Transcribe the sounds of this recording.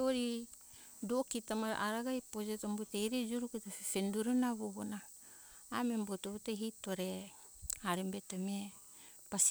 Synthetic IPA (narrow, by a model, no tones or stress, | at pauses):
oɾi | dokitama̰ʔaɾaɡajpod͡ʒetombutejɾed͡ʒuɾuketafefenduɾunaβoɡona | amembotoβuteɦitoɾe | aɾembetomie | pas